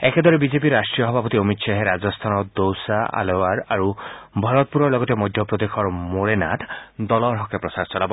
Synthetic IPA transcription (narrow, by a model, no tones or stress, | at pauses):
eked̪ɔɾebid͡ʒepiɾasʈɾijɔɦɔbʱapɔt̪iomit̪ʃaɦeɾad͡ʒɔst̪ʰanɔd̪owsaʔa̰lewaɾaɾubʱɔɾɔt̪̚puɾɔɾlɔɡɔt̪emɔjd̪ʱjɔpɾɔd̪ekʰɔɾmoɾenat̪ʰd̪ɔlɔɾɦɔkepɾɔsaɾt͡ʃɔlabɔ